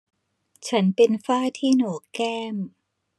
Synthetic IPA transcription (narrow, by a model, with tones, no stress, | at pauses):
t͡ɕʰa˦˥npe˧nfaː˥˩t̪ʰiː˥˩noː˨˦kɛː˥˩m